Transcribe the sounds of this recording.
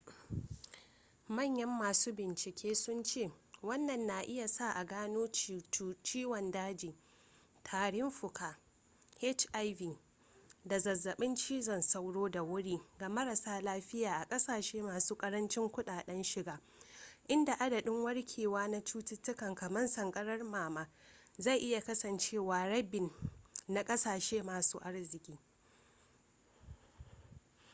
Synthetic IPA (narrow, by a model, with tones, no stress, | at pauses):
mɐ˦˨ɲjɐ˦mːaː˨suː˦bɪ˨nt͡ʃɪ˨kʲʰeː˦sʊ˦nt͡ʃeː˦˨wɐ˦nːɐ˨nːa˨ʔɪ˦ja˨sa˦ʔa˨ɡaː˦noː˦t͡ʃːt͡ʃiː˦wɐ˨ndaː˦d͡ʒiː˨ | tʰaː˨ɽɪ˦mɸʊ˨kaː˨ | he˦t͡ʃʔa˦jviː˨ | da˨zɐ˨zːɐ˨ɓɪ˦nt͡ʃiː˦zɐ˨nsa˦wɽoː˦da˨wʊ˦ɽiː˦ɡa˨mɐ˦ɾɐ˨saː˦laː˦ɸɪ˦jaː˨ʔa˨kʼɐ˦saː˨ʃeː˦maː˨suː˦kʼɐ˦ɾɐ˦nt͡ʃɪ˦ŋkʷʊ˦ɗaː˨ɗɛ˦nʃɪ˨ɡaː˦ | ʔɪ˦nda˨ʔa˦dɐ˨ɗɪ˦ŋwɐ˦ɽkʲʰeː˨waː˦na˦t͡ʃuː˦tɪ˦tːʊ˦kɐ˨ŋkɐ˨mɐ˦nsɐ˨ŋkʼɐ˦ɽɐ˦rmaː˨maː˦ | za˦˨jʔɪ˦ja˨kɐ˦sɐ˨nt͡ʃeː˦waː˨ɽɐ˦bɪ˨nːa˨kʼɐ˦saː˨ʃeː˦maː˨suː˦ʔa˦ɽzɪ˨kʲʼiː˦